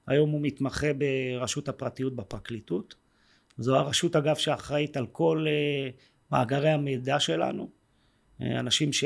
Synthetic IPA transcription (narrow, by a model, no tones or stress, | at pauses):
a̰jo̞mumit̪maχebeʁaʃuthapʁatijut̚bepʁaklitut | zoaʁaʃutaɡavʃeaχʁait̪alkʰo̞le | ma̰ːɡaʁe̞jhamedaʃe̞la̰nṵ | a̰naʃimʃe